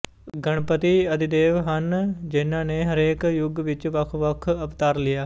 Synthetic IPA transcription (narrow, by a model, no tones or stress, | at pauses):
ɡəɳ̃pət̪iːəd̪ɪd̪eːʋɦənd͡ʒɪnãːneːɦəɾeːkjʊɡʋɪt͡ʃʋəkʰʋəkʰəpt̪aːɾlɪjaː